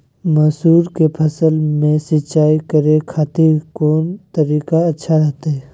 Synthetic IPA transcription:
mɐːsuːɾkepʰɐsəlmẽsɪt͡ʃaːikəɾekʰaːt̪iɾkoːnt̪əɾiːkaɐtːʃʰaɾɐɦt̪aɦɛː

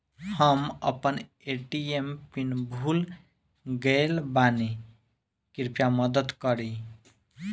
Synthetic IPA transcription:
həmə̰pən | eʈiempinbʱul | ɡəelbani | kiɾpjaməd̪əd̪kəɾi

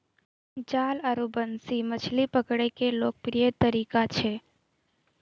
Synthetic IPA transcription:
d͡ʒaːləɾubənsimət͡ʃʰlipəkɽəjkeloːk̚pɾijət̪əɾikat͡ʃʰe

